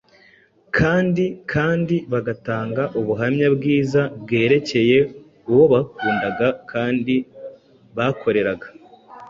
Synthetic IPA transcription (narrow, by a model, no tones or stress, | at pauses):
kʰaːndikʰaːndiβaɡataːŋɡaʔuβuɦamɲabɡiːzabɡe̞ːɾe̞ce̞je̞ | uwo̞βakuːndaɡakʰaːndi | βakʰo̞ɾe̞ɾaɡḁ